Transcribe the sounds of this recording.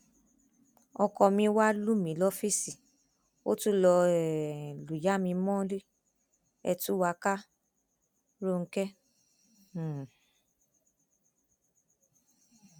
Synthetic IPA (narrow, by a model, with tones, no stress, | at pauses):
ɔ˧kɔ˧mĩ˧wa˦lu˦mĩ˨˦lɔ˦fi˦si˨ | o̰˦tu˦lɔ˧ɛ˨lu˨ja˦mĩ˧mɔ̃˦ɾi˦ | ɛ̰˧tu˦wa˧ka˦ | ɾo˦˨ŋ̩˧˦kɛ˦˨